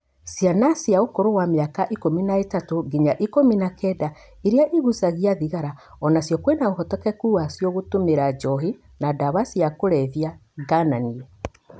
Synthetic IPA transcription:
sjanasjaokoɾowameakaʔikominaetatoɡiɲaʔikominakʰɛda | eɾeaʔiɣusaɣiaðiɣaɾaɔnasjɔkwenaoɦɔtɔkɛkuːasjɔɣotomeɾad͡ʒɔɦi | nadaβasiakoɾɛðiaɡananiɛ

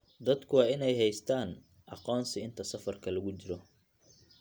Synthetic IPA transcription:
d̪ɐd̪kʰʊwɑːɪnɛjɦɛjst̪ʰaːn | ʔɑqɔːnsɪɪnt̪ʰɐsɐfɐrkʰɐlɐɣʊt͡ʃɪɾɔ

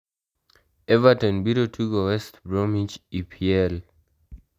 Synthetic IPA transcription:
ɛvatɔ̃nbiɾotʰuɡɔwɛstbɹɔmĩt͡ʃipʰiɛl

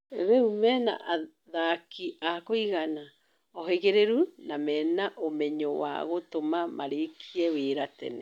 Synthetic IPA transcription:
ɾeumɛna̰ʔa | ðakiakoiɣana | ɔɦeɣeɾeɾunamɛnaʔomɛɲowa̰ɣotomamaɾekʰiɛweːɾatɛ̰nɛ

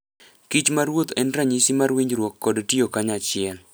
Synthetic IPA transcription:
kit͡ʃmaɾwot̪ɛnɾaɲisimarwiɲd͡ʒɾwokːɔdtiokaɲat͡ʃɪɛl

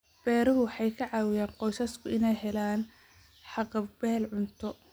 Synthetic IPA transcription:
b̥ɛːɾɐɦʊwħɑjkʰɐʕɑːwɪjaːnqɔjsɐskʰʊʔɪnɛjɦɛlaːn | ħɑqɑbɛːlʕʊnt̪ʰɔ

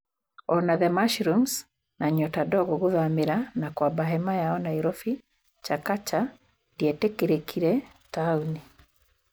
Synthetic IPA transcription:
ɔnaðɛmaʃɾums | naɲɔtadɔɣɔɣuðamiɾanakwabaɦɛmajaɔnaiɾɔfi | t͡ʃakat͡ʃa | diɛtekiɾekʰiɾɛ | tauni

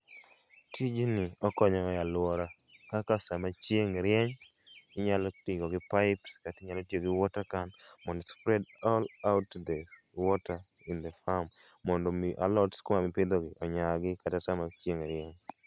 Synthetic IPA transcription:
tʰid͡ʒnɪɔkɔɲɔjalʊwɔɾa | kakasamat͡ʃjeŋɾjɛɲ | ɪɲalɔtɪɡɔɡɪpaɪpskatɪɲalɔtjoɡɪwɔtakanmɔndɔspɾɛdɔlaʊtd̪ɛ | wɔta | ɪnd̪efamːɔndɔmiʔa̰lɔtskomamɪpɪd̪oɡɪʔɔɲaɡɪkatasamat͡ʃjeŋɾɪɛɲ

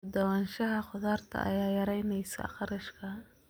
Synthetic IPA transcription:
d̪ɐwanʃɐɦɐqʊðaːrt̪ʰɐ̰ʔɐ̰jaːjɐɾɛjnɛjsɐ̰qɑɾɪʃkʰɐ

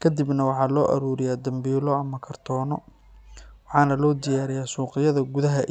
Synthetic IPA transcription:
kʰɐd̪ibnɐwɑħɑːlɔːʔɐ̰ɾuːɾɪjaːd̪ɐmbiːlɔɐmɐkʰɐrt̪ʰɔːnɔ | wɑħɑːnɐlɔːd̪ɪjaːɾɪjaːsuːqɪjɐðɐɡʊðɐɦɐ

